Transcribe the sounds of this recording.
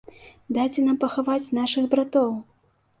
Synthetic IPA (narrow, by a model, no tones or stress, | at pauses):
d̪at͡sʲɛnampɐxavat͡sʲn̪aʂɨɣbɾat̪ɔw